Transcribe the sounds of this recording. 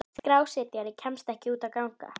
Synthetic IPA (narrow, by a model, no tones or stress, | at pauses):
kɾaːwsɛːt̪jaɾicʰɛmst̪ɛhcɪuːt̪akawŋ̥ka̰